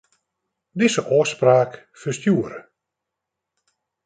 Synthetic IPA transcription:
dɪzəʔɔːəspraːk | fəstjuəɾə

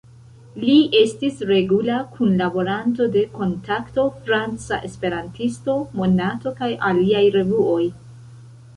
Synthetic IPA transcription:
liʔe̞stisɾe̞ɡulakʰunlabo̞ɾanto̞de̞ko̞ntakto̞fɾant͡sa̰ʔe̞spe̞ɾantisto̞mo̞nato̞kajʔaliajɾe̞vuo̞j

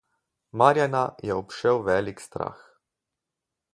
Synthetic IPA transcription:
maɾjanajɛɔpʃɛwʋɛːlikst̪ɾa̰ːx

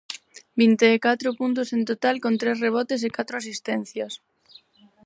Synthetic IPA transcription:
bint̪eːkat̪ɾopunt̪osent̪ot̪alkont̪ɾesreβ̞ot̪es̬ekat̪ɾoas̬ist̪en̟θjas

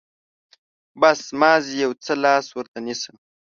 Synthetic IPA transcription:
basmɑːzijawt͡səlɑːswəɾt̪anisəm

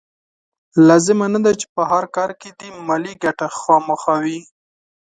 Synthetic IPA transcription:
lɑzɪmanad̪at͡ʃe̥pəɦaɾkɑɾked̪imɑliɡaʈaxɑməxawi

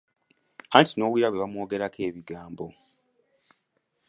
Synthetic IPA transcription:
antino̞ːwiːɾaβweβamwo̞ːɡe̞ɾakʰe̞ːβiɡaːmbo̞

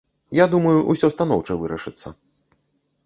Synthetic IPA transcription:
jad̪umɐjuʔusʲɔst̪anɔwt͡ʂɐvɨɾɐ̰ʂɨt̪sːɐ̰

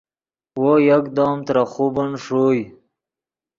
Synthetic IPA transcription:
wojakd̪oːmt̪ɾaχubanʂoj

